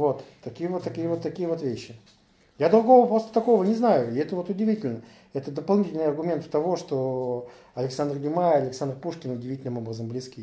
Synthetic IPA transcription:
vo̞t̪ːɐkʲijəvot̪ːɐkʲijəvot̪ːɐkʲijəvot̪vʲeɕːɪ | jad̪ɾʊɡo̞vəpɾo̞st̪ə̥t̪ɐko̞vənʲɪznajʊɪɛt̪əvo̞t̪ʊdʲɪvʲitʲɪlʲnə | ɛt̪əd̪əpɐlˠnʲitʲɪlʲnɨjɐrɡʊmʲe̞nt̪t̪ɐvo̞ʂt̪o | ɐlʲɪksand̪rɡʲʊmaɐlʲɪksand̪rpuʂkʲɪnʊdʲɪvʲitʲɪlʲnɨmo̞bɾəzəmblʲɪskʲi

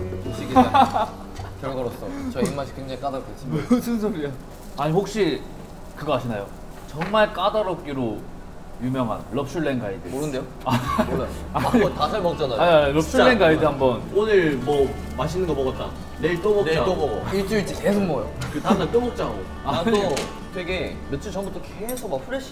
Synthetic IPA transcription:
oɕ͈ʰiɡia | kjʌɭɡʌɾos͈ʌt͡ɕʌimaɕʰi̥keŋd͡ʑaŋik͈adaɾk̚et͡ɕ͈imsʰɯnsʰoɾie | aɲihok̚ɕ͈i | kɯɡʌaɕʰinajo | t͡ɕʌŋmaɭk͈adaɾʌp̚k͈iɾo | jumjʌŋɦa̰nlʌp̚t͡ɕʰuɭːenɡaidɯmoɾɯnd̪e̞jo | amoajoaɲitasʰaɭmʌt͡ɕ͈anaaɲiɾʌp̚sʰɯɭːenɡaidɯhambʌnonɯɾmwʌ | maɕ̬ʰinɯŋɡʌmʌɡʌt͈a̰ | neiɭt͈ʌbʌneoɡʌɡoiɭt͡ɕ͈uit͡ɕ͈ikesʰoŋmojo̰kɯanat͈ʌmʌp̚t͡ɕ͈aɦaɡo | aaɲo | tweɡe | nɯt͡ɕ͈ʰɯt͡ɕʌŋbut͈ʰːokesʰomakpʰɯɾeɕ͈ʰ

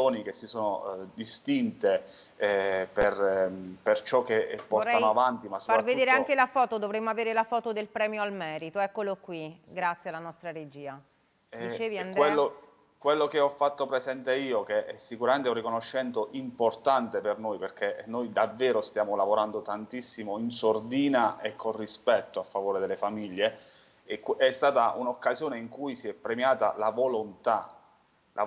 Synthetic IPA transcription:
oːnikesːisoːnod̪ist̪int̪e | perpert͡ʃɔk̟ːeɛpːɔt̪anoavant̪imasːofpaɾratvedud̪eːɾeaŋk̟elafɔːt̪od̪ovɾemːoaveːɾelafɔːt̪od̪elpɾɛːmjoalmɛːɾit̪oɛkːolokwiɡɾat̪sːjealanɔst̪ɾaɾed͡ʒiːa | d̪it͡ʃeːviandk̪ɾwelːo | kwelːokeɔfːat̪ːopɾezɛnt̪eiːokeɛsːikuɾament̪eũrikonoʃːɛnt̪oʔimport̪ant̪epernojperk̟ʰenːojd̪avːɛːɾost̪jaːmolavoɾand̪ot̪ant̪isːimoinsord̪iːnaʔekʰːonrispɛt̪ːoafːavoːɾed̪elːefamiʎːe | kɛst̪aːt̪aʔunokːazjoːneiŋkujsiɛpːɾemjaːt̪a̰lavolont̪a | lʔa̰

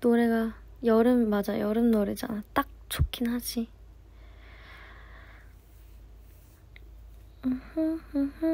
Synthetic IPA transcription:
noɾe̞ɡa | jʌɾɯmːad͡ʑajʌɾɯnnoɾid͡ʑa̰nat͈ak̚t͡ɕʰo̥kʰinɦad͡ʑi | ɯhɯɯh

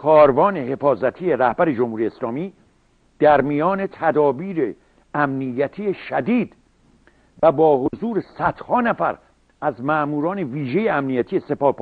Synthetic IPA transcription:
kʰɒːɾvɒːnehe̞fɒːzæt̪ʰijeɾæhbæɾe̞d͡ʒomhuɾijeslɒːmiː | d̪̥æɾmijɒːne̞t̪ʰæd̪ɒːbiːɾe | æmnijæt̪ʰijeʃæd̪iːd̪̥ | væbɒːhozuːɾesæd̪̥hɒːnæfæ̰ɾ | æzmæʔmuːɾɒːne̞viːʒe̞jeæmnijæt̪ʰijese̞pɒːhp

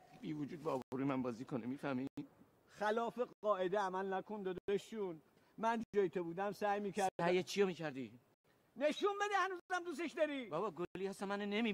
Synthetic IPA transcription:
b̥iːvod͡ʒuːd̪̚bɒːbɾuːmænbɒːziːkʰonemiːfæmi | xælɒːfeɒːʔed̪eæmælnækʰond̪ɒd̪d̪eʃun | mænd͡ʒud͡ʒɒːjit̪ʰebuːd̪æmsæjmiːkʰæɾdæjet͡ʃʰijomiːcʰæɾd̪iː | neʃunbed̪ehænuːzzæmd̪us̬eʃd̪ɒɾivɒbɒːɡoliːhæsænmænenemiː

